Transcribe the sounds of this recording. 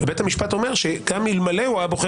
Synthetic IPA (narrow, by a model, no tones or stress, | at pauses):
ebethamiʃpat̪o̞me̞ʁʃekamilmaleuajaboχe